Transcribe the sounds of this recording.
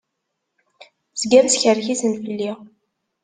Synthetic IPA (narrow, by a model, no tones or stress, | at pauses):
z̥ɡæðsçəɾçisənfəlːi